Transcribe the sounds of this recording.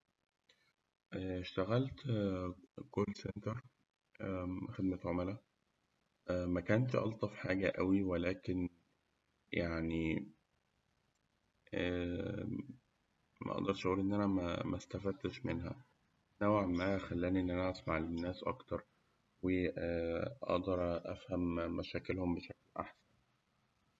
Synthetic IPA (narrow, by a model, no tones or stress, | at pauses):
ʔæʃt̪æɣælt̪ | kolːsent̪ɑɾˤ | xed̪̚mæt̪ʕomælæ | ʔmækæːnʃʔɑ̰lt̪ˤɑfħaːɡæʔæwiwelæːken | jaʕni | æ | mæ̰ʔɑ̰ʔd̪ɑɾˤʃʔæʔuːlʔenːʔænæmæ̰mʔæst̪æfæd̪ʃmenɦæ̰ | næweʕmːaːhæxælːæːniʔenːʔænæʔæsmaʕlenːæːsʔɑ̰kt̪ɑɾˤ | weʔʔɑ̰ʔd̪ɑɾˤʔæ̰fhæmːæʃæːkelhombeʃæklʔa̰ħsæn